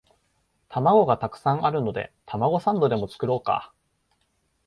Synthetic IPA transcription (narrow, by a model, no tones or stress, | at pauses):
t̪amaɡo̞ɡat̪akɯ̟̥sãŋ̃aɾɯ̟no̞d̪e̞̰t̪ʰamaɡo̞sãnd̪o̞d̪e̞mo̞t͡sɨ̥kɯ̟ɾo̞ːka̰